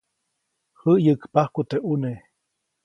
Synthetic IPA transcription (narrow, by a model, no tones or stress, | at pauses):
həʔjəkpahkut̪eʔune